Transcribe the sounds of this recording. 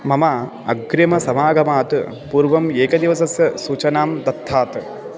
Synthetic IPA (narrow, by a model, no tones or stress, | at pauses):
mɐmɐ | ɐɡɾɐmɐsɐmaːɡɐmaːt̪u | puːɾʋɐmeːkɐd̪iʋɐsɐsjɐsuːt͡ʃɐnaːmd̪ɐt̪ʰːaːt̪